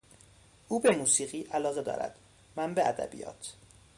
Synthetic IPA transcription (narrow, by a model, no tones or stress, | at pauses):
ʔuːbe̞muːsiːɢiːʔælɒːɣe̞d̪ɒ̰ːɾʔæ̰d̪̥ | mænbeʔæd̪æ̰bḭjɒ̰ːt̪ʰ